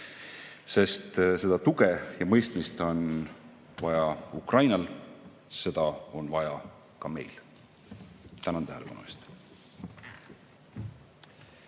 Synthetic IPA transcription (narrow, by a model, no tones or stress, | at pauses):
se̞st̪se̞d̪̥ɑt̪uɡejɑmɤjst̪mist̪o̞n | vɑjɑukrɑjnɑl | se̞d̪̥ɑo̞nvɑjɑ | kɑme̞̰jl | t̪ænɑnt̪æhelepɑnṵest̪